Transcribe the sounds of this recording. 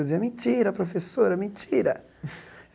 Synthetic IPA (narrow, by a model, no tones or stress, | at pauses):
ziamit͡ʃːiːɾapɾofesːoːɾamit͡ʃːiːɾa